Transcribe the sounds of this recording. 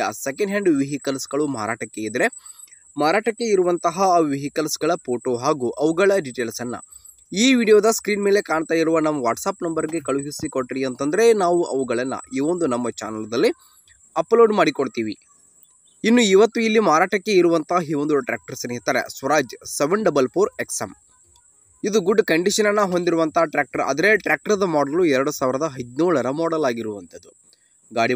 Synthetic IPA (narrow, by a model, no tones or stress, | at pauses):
ɐ̰sekɐɳɖɦeːɳɖʋiɦikɐlsɡɐɭumaːɾa̰ːʈɐkːeid̪ɾe̞ | maːɾaːʈɐkːe̞iɾuʋɐnt̪ɐɦɐʋiɦikɐlsɡɐɭɐpoːʈoɦaːɡuːʔɐʋuɡɐɭɐɖiʈeːlsɐnːɐ̰ | iːʋiːɽijoːd̪ɐskɾiːnmeːle̞kaːɳt̪aːjiɾuʋɐnɐmːɐʋaːʈsaːpnɐmbɐɾɡe̞kɐɭuɦisikoʈːɾiɐnt̪ɐnd̪ɐɾe̞naːʋuʔɐʋuɡɐɭɐnːɐ̰iʋo̞nd̪unɐmːɐt͡ʃa̰ːnɐld̪ɐlːi | ɐploːɖmaːɽikoɽt̪iːʋḭ | inːuiʋɐt̪ːuilːimaːɾaːʈɐkːe̞iɾuʋɐnt̪ɐiʋond̪uʈɾa̰ːk̚ʈɐɾsɐnit̪aːɾḛsʋɐɾaːd͡ʒseʋɐɳɖɐbɐlpʰuːɾeksɐm | id̪uɡuɖːkɐɳɖiʂɐnɐnːɐɦo̞nd̪iɾuʋɐnt̪ɐɦɐʈɾaːk̚ʈɐɾɐ̰d̪ɐɾeʈɾaːk̚ʈɐɾd̪ɐmɔːɖɐluɛɾɐɽusaːʋiɾɐd̪ɐɦɐd̪nuːɭɐɾɐmɔːɽɐlaːɡiɾuʋɐnt̪ɐd̪u | ɡaːɽi